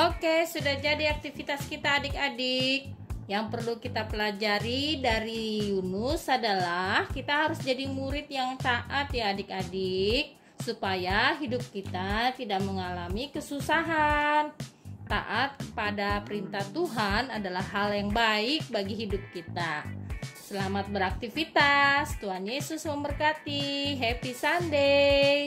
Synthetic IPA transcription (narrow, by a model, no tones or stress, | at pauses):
ʔokesudahd͡ʒadiak̚t̪ifit̪askit̪aːdɪkadɪk̚jaŋpərlukit̪apəlad͡ʒaɾidaɾijunʊsadalahkit̪aɦaɾʊsd͡ʒadimuɾɪt̪jaŋt̪aʔat̪jaːdɪkadɪk̚ | supajaɦidʊp̚kit̪at̪idaʔ̚məŋalamikəsusaɦant̪a̰ʔat̪̚kəpadapəɾint̪aht̪uɦanadalahːaljaŋbaɪk̚baɡiɦidʊp̚kit̪a | səlamat̪̚bəɾak̚t̪ifit̪ast̪uɦanjesʊsməmbərkat̪iɦepisandej